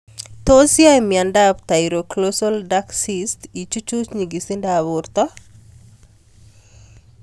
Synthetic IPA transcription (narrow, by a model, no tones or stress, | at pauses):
t̪osiajmjandapt̪ajɾoklosɔldaksistit͡ʃut͡ʃut͡ʃɲiɡisindaβʊɾt̪ɔ